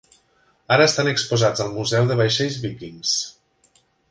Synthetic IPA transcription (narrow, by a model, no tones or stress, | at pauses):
aɾəːst̪anəkspuzad͡zəlˠmuzɛwðəβajʃeʎzβikiŋs